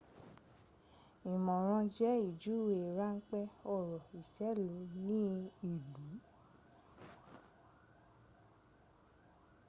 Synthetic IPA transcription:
i˨mɔ̃˨ɾ̃ã˧d͡ʒɛ˦i˦˨d͡ʒu˦˨we˨ɾa˦ŋ̩˦k͡pɛ˦ɔ˦˨ɾɔ˨i˨ʃɛ˨˦lo˨˦nĩ˦i˦˨lu˨˦

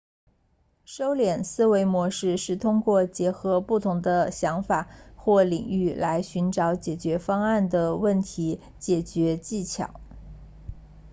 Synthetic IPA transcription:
ʂo˥ʊljɛ˨˩nsɹ̩˥we˧˥ɪmwɔ˧˥ʂɻ̩˥˧ʂɻ̩˥˩t̪ʰʊ˥ŋkwɔ˥˩t͡ɕjɛ˧˥xɤ˧˥pu˥˩t̪ʰʊ˧˥ŋd̪ə˧ɕjɑ˧˥ŋfa˨˩xwɔ˥˩li˨˩ŋy˥˩la˧˥ɪɕy˧˥nʈ͡ʂɑ˧˥ʊt͡ɕjɛ˨˩t͡ɕɥɛ˧˥fɑ˥ŋa˥˩nd̪ə˩wə˥˩nt̪ʰi˧˥ | t͡ɕjɛ˨˩t͡ɕɥɛ˧˥t͡ɕi˥˩t͡ɕʰjɑ̰˨˩˦ʊ

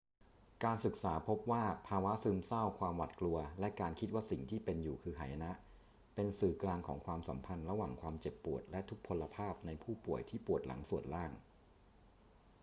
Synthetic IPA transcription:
kaː˧nsɯ˨˩k̚saː˩˦pʰo˦˥p̚waː˥˩pʰaː˧wa˦˥sɯː˧msa˥˩wkʰwaː˧mwa̰˨˩t̪̚klu˧ɐlɛ˦˥kaː˧nkʰi˦˥t̪̚waː˥˩si˨˩ŋt̪ʰiː˥˩pe˧njuː˨˩kʰɯː˧ɦʰa̰ː˨˩˦ja˧na˦˥ʔ | pe˧nsɯː˨˩klaː˧ŋkʰɔː˩˦ŋkʰwaː˧msa̰˩˦mpʰa˧nɾa˧waː˨˩ŋkʰwaː˧mt͡ɕe˨˩pːu˨˩ət̪̚lɛ˦˥t̪ʰu˦˥k̚pʰːo˧lːa˧pʰaː˥˩p̚na˧jpʰuː˥˩pu˨˩əjt̪ʰiː˥˩pu˨˩ət̪̚la̰˩˦ŋsu˨˩ət̪̚ɾaː˥˩ŋ

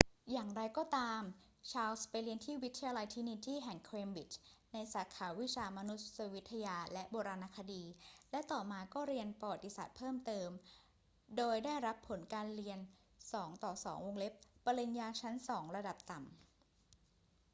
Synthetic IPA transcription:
jaː˨˩ŋɾa˧jkɔː˥˩t̪aː˧m | t͡ɕʰaː˧wspa˧jɾi˧ənt̪ʰiː˥˩wi˦˥t̪ʰːa˧jaː˧la˧jt̪ʰi˦˥ni˧t̪iː˥˩ɦɛ˨˩ŋkʰɾeː˧mbi˨˩t͡ɕna˧jsaː˩˦kʰaː˩˦wi˦˥t͡ɕʰaː˧ma˧nu˦˥t̪̚sa˧wi˦˥t̪ʰːa˧jaː˧lɛ˦˥ʔboː˧ɾaː˧naː˧kʰa˧diː˧lɛ˦˥t̪ɔː˨˩maː˧kɔː˥˩ɾi˧ənpa˧wa˨˩t̪ːi˧saː˨˩t̪̚pʰɤː˥˩mt̪ɤː˧m | doː˧jdaː˥˩jɾa˦˥pʰːo˩˦nkaː˧nɾi˧ən | sɔː˩˦ŋt̪ɔː˨˩sɔː˩˦ŋwo˧ŋle˦˥p̚ːa˧li˧ŋjaː˧t͡ɕʰa˦˥nsɔː˩˦ŋɾa˧da˨˩p̚t̪a˨˩m

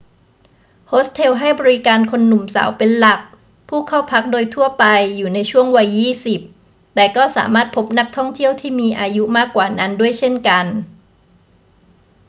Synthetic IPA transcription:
hoː˦˥st̪ʰe˧wɦa˥˩jbɔː˧ɾi˦˥kaː˧nkʰo˧nːu˨˩msa̰ː˩˦wpe˧nla˨˩k̚ | pʰuː˥˩kʰa˥˩wpʰa˦˥k̚doː˧jt̪ʰu˥˩əpa˧jːuː˨˩na˧jt͡ɕʰu˥˩əŋwa˧jːiː˥˩si˨˩p̚ | t̪ɛː˨˩kɔː˥˩sa̰ː˩˦maː˥˩t̪̚pʰo˦˥p̚na˦˥k̚t̪ʰɔ˥˩ŋt̪ʰi˥˩əwt̪ʰiː˥˩miː˧ʔaː˧ju˦˥maː˥˩kːwaː˨˩na˦˥ndu˥˩əjt͡ɕʰe˥˩nka˧n

